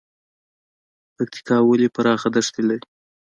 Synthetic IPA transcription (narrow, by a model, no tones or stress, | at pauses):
pak̚t̪ʰi̥kɑwəlepaɾɑxad̪aʂt̪ilaɾi